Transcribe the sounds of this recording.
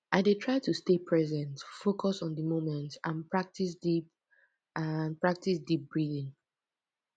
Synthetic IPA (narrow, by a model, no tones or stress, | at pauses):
ʔaɪdetʰɹaɪtustepʰɹɛzɛ̃ntfokʰɔsɔ̃n̩dəmomɛ̃ntãnpʰɹak̚tisdip | anpɹak̚tisdip̚b̥ɹidĩŋ